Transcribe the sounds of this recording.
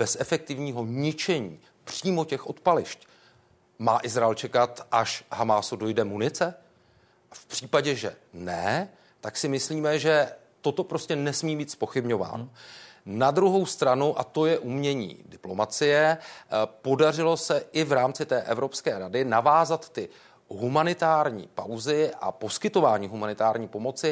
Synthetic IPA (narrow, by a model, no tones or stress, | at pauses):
b̥ɛsʔɛfɛk̚t̪ɪvɲiːɦo̞ɲɪt͡ʃɛɲiː | pr̝̥iːmo̞cɛxʔo̞t̪palɪʃc | maːʔɪzɾaɛlt͡ʃɛkat̪ʔaʃɦamaːsudo̞jdɛmunɪt͡sɛ | ʔafpr̝̥iːpaɟɛʒɛ̰nɛ̰ | t̪aksɪmɪsliːmɛʒɛ | t̪o̞t̪o̞pɾo̞scɛnɛsmiːbiːt̪spo̞xɪbɲo̞va̰ːno | nad̪ɾuɦo̞wst̪ɾanuʔat̪o̞jɛʔumɲɛɲḭːdɪplo̞mat͡sɪjɛ | po̞dar̝ɪlo̞sɛʔɪvɾaːmt͡sɪt̪ɛːʔɛvɾo̞pskɛːɾadɪnavaːzat̪ːɪ | ɦumanɪt̪aːɾɲḭːpa̰wzɪʔa̰po̞skɪt̪o̞vaːɲiːɦumanɪt̪aːɾɲiːpo̞mo̞t͡sɪ